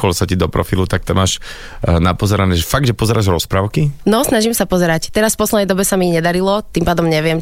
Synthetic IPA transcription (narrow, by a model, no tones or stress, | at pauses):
kɔlsacid̪ɔpɾɔ̰filut̪ak̚t̪amaːʃ | napɔzɛɾanɛʒɛfaɡ̚d̪ʒɛpɔzɛɾaːʒɾɔspɾaːʊkinɔsnaʒimsapɔzɛɾact̪ɛɾasfpɔslɛd̪ɛjd̪ɔbɛsamiɲɛd̪aɾilɔt̪impaːd̪ɔmɲɛʋɪɛm